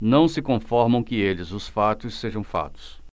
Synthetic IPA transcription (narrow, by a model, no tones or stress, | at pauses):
nɐ̃w̃sɪkõfɔɾmɐ̃w̃kɪelɪzʊsfat̪ʊsːeʒɐ̃w̃fa̰t̪ʊ̥s